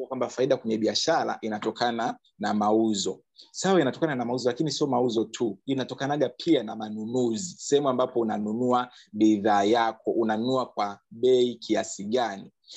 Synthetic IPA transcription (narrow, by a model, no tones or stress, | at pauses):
akwambafaiɗakwɛɲɛɓiaʃaɾa̰ʔinatɔkʰana | namauzɔ | sawainatɔkananamauzɔlakinisiɔmauzɔtʰuinatɔkanaɠapʰianamanunuzisɛhɛmuambapɔunanunua | ɓiðaːjakɔʔunanunuakwaɓɛikʰiasiɠani